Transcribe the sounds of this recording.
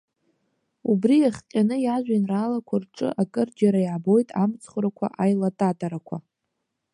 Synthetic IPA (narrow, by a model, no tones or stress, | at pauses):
ubriaχqʲʼanɨjaʒʷᶣanraːlakʷʰarʈ͡ʂʼɨ̰ʔakʼɨrd͡ʒaɾaiʕabo̞jtʼamt͡sʰχɾakʷʰa̰ʔajlatʼatʼaɾakʷʰa̰